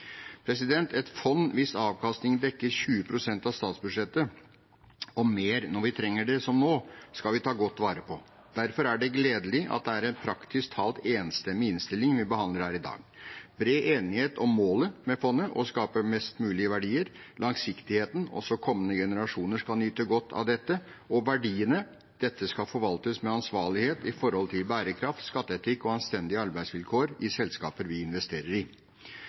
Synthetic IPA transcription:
pʰɾɛs̬ɪd̪ɛnt̪ɛt̪fɔnːʋɪsɑːʋkʰɑst̪ɪŋd̪ɛkːəɾɕʉːəpʰɾʊsɛnt̪ɑʋst̪ɑːt̪sbʉd̪ʂɛt̪ːə | ɔmeːɾnɔɾʋɪt̪ʰɾɛŋːəɖɛsɔmnoːskɑlʋɪt̪ʰɑːɡɔt̪ːʋɑːɾəpʰɔ | d̪̥æɾfɔɾæɖɛɡleːd̪əlɪʔɑ̰t̪̚d̪ɛæɾɛnpʰɾɑkt̪ɪskt̪ʰɑːlt̪eːnst̪ɛmːɪɪnst̪ɪlːɪŋʋɪbəhɑnd̪əɾhæːɾɪd̪ɑ̰ːɡbɾeːʔeːnɪheːt̪ʰɔmːoːləmɛfɔnːəʔɔskɑːpəmɛst̪mʉːlɪəʋæɖiːəɾlʔɑŋsɪkt̪ɪheːt̪n̩ɔ̰sɔkʰɔmːənəɡɛnəɾɑʂuːnəʂkɑlnyːt̪əɡɔt̪ʰːɑ̰ʋd̪ɛt̪ːə | ɔʋæɖiːənə | d̪̥ɛt̪ːəskɑfɔɾʋɑlt̪əsmɛɑnsʋɑːɭɪheːt̪ɪfɔɾhɔlt̪ʰɪlbæːɾəkʰɾɑft̪skɑt̪ːəɛt̪ʰɪkːɔɑnst̪ɛnd̪ɪəɑɾbæɪsʋɪlkʰoːɾɪsɛlskɑːpəɾʋɪɪnʋɛst̪eːɾəɾɪ

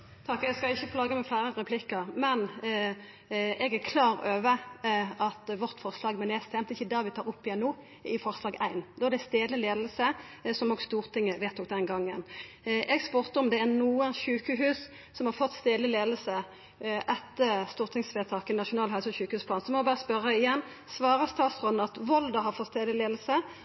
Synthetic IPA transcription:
t̪ʰɑkːɛɡskɑɪçːəpʰlɑːɡəmɛflæɪɾəɾɛpʰlɪkːəʁmɛn | ɛɡæʁkʰlɑːɾøːʋəɑt̪ʋɔʁt̪fɔʁslɑːɡmɛnɛːst̪ʰɛmt̪ɪçːəd̪ɑːʋɪt̪ʰɑːɾʊpːɪɛnːuː | ɪfɔʁslɑːɡæɪnd̪ɔɛd̪ɛst̪eːd̪əleːd̪l̩sə | sɔmɔɡst̪uːʁt̪ʰɪŋːəʋeːt̪ʰːʊk̚d̪ɛnɡɑŋːən | ʔɛɡspʉʁt̪əɔmd̪ɛæʁnuːənçʉːkəɦʉːsː | ɔmhɑɾfɔt̪ːst̪eːd̪ɪleːd̪l̩sə | ʔɛt̪ːəst̪uːʁt̪ʰɪŋsʋeːt̪ʰɑːkəɛnːɑʃʊnɑːlhœʉsɔçʉːkəhʉːspʰɑnsɔmɔbɑːʁəspœɾəɪjɛnː | sʋɑːɾəst̪ɑːt̪sʁɔnɑt̪ʋɔld̪əɦɑɾfɔt̪st̪eːd̪ɪleːd̪l̩sə

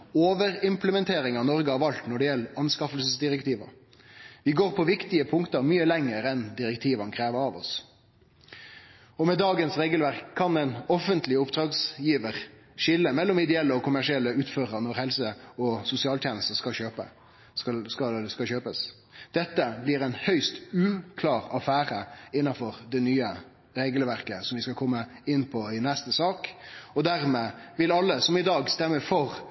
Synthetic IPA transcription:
oːʋəɾɪmpləmɛnt̪ʰeːɾɪŋɑnɔʁɡəɑʋɑlt̪nɔɖɛjɛlːɑnskɑfəlsəsd̪ɪʁɛkt̪iːʋə̰ | ʋɪɡoːɾpʰɔʋɪkt̪ɪəpʰʊŋkt̪əɾmyːəlɛŋːəɾɛnd̪ɪɾɛkt̪ʰiːʋɑnkʰɾeːʋəɾɑʋɔ̰s | ɔmɛd̪ɑːɡənsʁeːɡəlʋæɾkʰːɑnɛɪnɔfənt̪lɪʊpd̪ʁɑːɡsjiːʋəʁ | ʂɪlːəmɛlːɔmɪd̪ɛɛlːəɔkʰʊmæʂɪɛlːəʉːt̪føːʁənɔɾhɛlsəɔsʊsɪɑːlt̪ʰjɛːnəst̪əskɑɕøːpə̰ | sɑskɑskɑlɕøːpəs | d̪̥ɛt̪ːəblɪɾɛɪnhœʏst̪ʉːkʰlɑːʁɑfæːɾəɪnːɑfɔɾd̪ɛnyːə | ɾeːɡəlʋæɾkəsɔmʋɪskɑkʰɔmːə | ɪnːpʰɔɪnɛst̪əsɑːkɔd̪æɾmeː | ʋɪlɑlːəsɔmɪd̪ɑːɡst̪ɛmːəfɔɾ

